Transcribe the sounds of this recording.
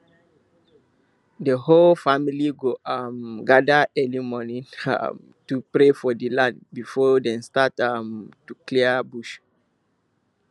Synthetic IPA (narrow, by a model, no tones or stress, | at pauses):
dəholfamiliɡoamɡadəʔɛlimɔnĩna̰m | tupɹefɔdilãndbifɔdɛ̃nstatamtukliəbuʃ